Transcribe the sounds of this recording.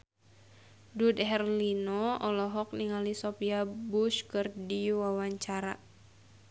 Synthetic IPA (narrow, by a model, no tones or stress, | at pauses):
dudɦɛrlinɔɔlɔɦɔk̚niŋalisɔpiabuʃkɨrdiwawaɲt͡ʃaɾa̰